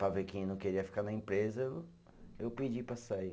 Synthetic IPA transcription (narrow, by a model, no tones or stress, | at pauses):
pɾɐvekẽj̃ñw̃keɾiɐfi̥kanɐẽpɾezɐew | ewped͡ʒipɾɐsai